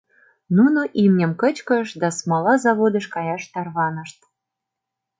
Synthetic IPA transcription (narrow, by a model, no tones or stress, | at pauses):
nunoʔimnʲə̆mkə̆t͡ɕkə̆ʃd̪ɑsmɑlɑzɑβod̪ə̆ʃkɑjɑʃt̪ɑrβɑnə̆ʃt̪̚